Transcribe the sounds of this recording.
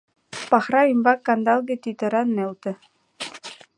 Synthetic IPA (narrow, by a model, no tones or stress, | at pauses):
pɑχrɑimbɑkːɑnd̪ɑlˠɡĕt̪it̪ɤ̆ɾɑnːelt̪ɘ̆